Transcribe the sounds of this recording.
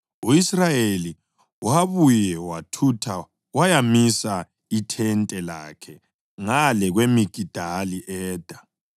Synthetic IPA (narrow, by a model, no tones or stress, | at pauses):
uisrajeli | waβujɛwatʰutʰa | wajamisa | itʰɛntʼɛla̰ːkʰɛ | ŋalɛɣwemiɡ̥ʱid̥ʱaliʔɛːd̥ʱa